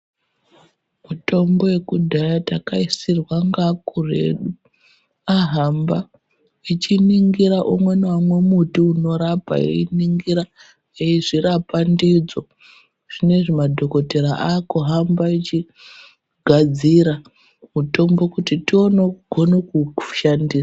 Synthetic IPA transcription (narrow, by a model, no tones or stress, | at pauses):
muto̞mbo̞je̞kudʱajatakaisirwaŋɡakure̞̰ɗu | aɦamba | it͡ʃiniŋɡiɾaʔumwe̞namwe̞mutiuno̞ɾapa̰ḛiniŋɡiɾa | eiʐiɾapandid͡zo̞ | ʐ̥ine̞ʐemadʱo̞ko̞te̞ɾaʔaːkuɦambait͡ʃi | ɡʱad͡ziɾa | muto̞mbo̞kutitio̞neɡ̥ʱo̞nekuʃandiːsa